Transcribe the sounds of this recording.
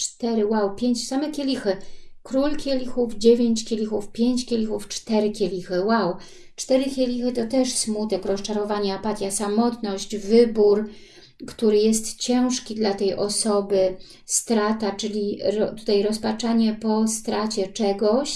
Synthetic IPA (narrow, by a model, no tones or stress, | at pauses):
t͡ʂt̪ɛɾɘwawpʲjeɲt͡ɕsamɛkʲelʲixɘkɾulkʲjelʲixufd͡ʑevʲeɲt͡ɕkʲelʲixufpʲjeɲt͡ɕkʲelʲixuft͡ʂt̪ɛɾɘkʲelʲixɘwaw | t͡ʂt̪ɛɾɘkʲelʲixɘt̪ɔt̪ɛʂsmut̪ɛkɾɔst͡ʂaɾɔvaɲapat̪ʲjasamɔt̪nɔɕd͡ʑvɘbuɾ | kt̪uɾɘjɛst̪t͡ɕɛ̃w̃ʂkʲid̪lat̪ɛjʔɔsɔbɘ | st̪ɾat̪at͡ʂɘlʲiɾɔt̪u̥t̪ajɾɔspat͡ʂaɲɛpɔst̪ɾat͡ɕɛt͡ʂɛɡɔɕ